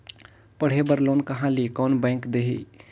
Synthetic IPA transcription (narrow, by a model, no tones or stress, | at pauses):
pəɽ̤ɦebəɾlonkəɦãlikɔːnbɛ̃ːŋkd̪eɦi